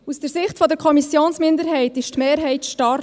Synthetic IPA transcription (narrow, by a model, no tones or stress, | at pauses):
usd̥əɾsɪχtfɔdəɾkʰɔmisjoːnsmɪndəɾhɛɪtɪʃtmeːɾɦɛɪtʃtɑɾ